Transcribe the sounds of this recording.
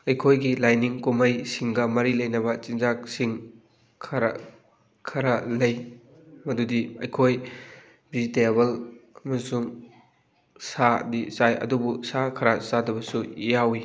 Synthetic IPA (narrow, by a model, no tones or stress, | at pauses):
ɐjkʰojɡilajniŋkumɐjsiŋɡɐmɐɾilɐjnɐβɐt͡ʃinzaksiŋ | kʰɐɾɐ̰ | kʰɐɾɐlɐj | mɐdudiɐjkʰoj | bizteβɐlɐmɐsuŋ | sadit͡ʃajɐ̰dubusakʰɐɾasadɐbɐsuijawi